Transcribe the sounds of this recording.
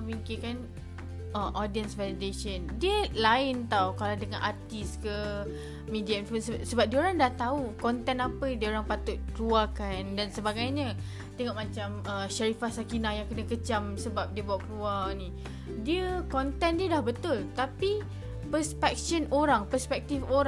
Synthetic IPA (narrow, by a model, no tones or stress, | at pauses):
miŋkikan | ʔəʔɔdiənsvɛlideʃəndiəlaɪnt̪awkaladəŋã̰nʔat̪iskə | midiainfənsəsəbap̚diəoɾaŋdaht̪aukɔnt̪ɛnapədiəoɾaŋpat̪ʊt̪̚kluakandansəbaɡajɲə | t̪eŋɔʔ̚mãt͡ʃaməʃaɾifahsakinahjaŋkənãkət͡ʃamsəbap̚diəbawaʔkluanĩ | diəkɔnt̪ɛndiədahbət̪ʊlt̪api | pəspɛk̚ʃənoɾaŋpəspɛk̚t̪ifoɾa